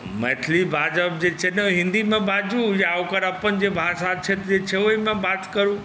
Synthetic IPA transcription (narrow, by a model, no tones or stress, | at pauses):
mɛt̪ʰlibʱaːd͡ʒəp̚d͡ʑet͡ʃʰenəɦɪ̃nd̪imẽbad͡ʒujakəɾɐpənd͡ʑebʱasat͡ʃʰet̪d͡ʑet͡ʃʰeoimẽbaːt̪kəɾũː